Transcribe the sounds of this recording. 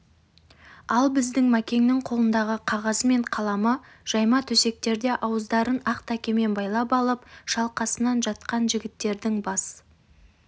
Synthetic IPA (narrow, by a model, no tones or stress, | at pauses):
ɑlˠbɪzd̪ɪŋmækʲe̞ŋnɪŋqʰo̞lˠənd̪ɑʁəqʰɑʁɑzme̞ɴqʰɑlˠɑmə | ʒ̥ɑjmɑt̪ʰɵse̞k̚t̪e̞ɾd̪e̞ʔɑwəzd̪ɑɾənɑqt̪ækʲe̞me̞nbɑjlˠɑpɑlˠəpʃɑlˠqɑsənɑnʒɑt̪̚qɑnʒɪɡʲɪt̪ːe̞ɾd̪ɪŋbɑs